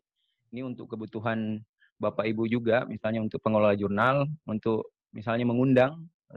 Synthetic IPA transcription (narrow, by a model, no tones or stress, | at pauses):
iniunt̪ʊkːəbut̪uɦan | bapaibud͡ʒuɡamisalɲaunt̪ʊk̚pəŋolalad͡ʒurnalunt̪ʊk̚ | misalɲaməŋundaŋ